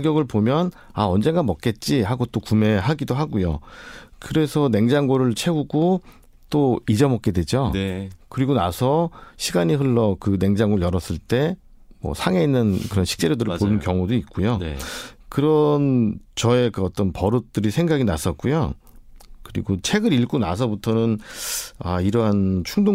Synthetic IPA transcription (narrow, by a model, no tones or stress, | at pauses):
ɡjʌɡɯɭpomjʌn | aʌnd͡ʑe̞nɡamʌk͈̚e̞t̚t͡ɕ͈ihaɡot͈okume̞ɦaɡidoɦaɡujo̰kɯɾe̞sʰʌne̞ŋd͡ʑaŋɡoɾɯɭt͡ɕʰe̞uɡo | t͈oid͡ʑʌmʌk͈̚e̞dwe̞d͡ʑokɯɾiɡonasʰʌɕʰiɡaɲiɦɯɭːʌkɯne̞ŋd͡ʑaŋɡoɯɭjʌɾʌs͈ɯɭt͈e̞ | mwʌ̰sʰaŋe̞inːɯnkɯɾʌnɕʰi̥k̚t͡ɕ͈eɾodɯɾɭponɯnkjʌŋudoit̚k͈ujo | kɯɾʌnt͡ɕʌe̞kɯʌt͈ʌnpʌɾut͈ɯɾisʰeŋɡaɡinas͈ʌt̚k͈ujo̰ | kɯɾḭɡot͡ɕʰe̞ɡɯɾiɭk͈ona̰s̬ʰʌbutʰʌnɯn | aiɾʌɦant͡ɕʰuŋdo